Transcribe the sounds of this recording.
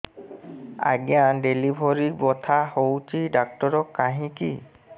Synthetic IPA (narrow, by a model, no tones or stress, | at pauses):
a̰ɡijandelibʱɔɹibɔt̪ʰahowtidak̚tɔɹɔkːaɦĩki